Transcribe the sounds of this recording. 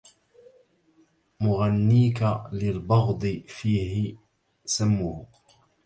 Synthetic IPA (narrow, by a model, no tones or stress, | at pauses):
mʊɣanːiːkalɪlbɑɣd̪ˤɨfiːhɪ | samːʊh